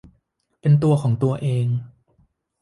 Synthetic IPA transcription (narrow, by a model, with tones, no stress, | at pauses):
pe˧nt̪u˧ɐkʰɔː˩˦ŋt̪u˧ɐʔeː˧ŋ